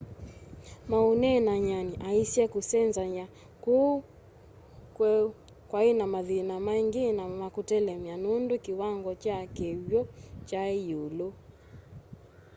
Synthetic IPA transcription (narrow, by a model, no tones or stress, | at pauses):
maunɛnaɲaniʔaisiɛkusɛnzaɲa | ku | kwɛ | kwainamaðinamaŋɡinamakutɛlɛmianundukiwaŋɡɔt͡ʃakɛwjɔt͡ʃaiulu